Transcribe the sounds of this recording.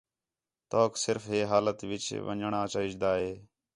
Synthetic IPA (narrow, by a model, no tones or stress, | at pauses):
t̪oːksɪɾfɦeːɦaːlət̪ʋɪt͡ʃʋə̰ɲɳaːt͡ʃaːɪd͡ʒd̪aːɦeː